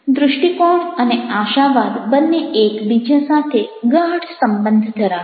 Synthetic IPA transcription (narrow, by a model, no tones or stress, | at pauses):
d̪ɾʊʃʈikoɽəneaʃaʋad̪bənːeːkbid͡ʒasat̪ʰeɡaɽsəmbənd̪ʱd̪ʰʱəɾa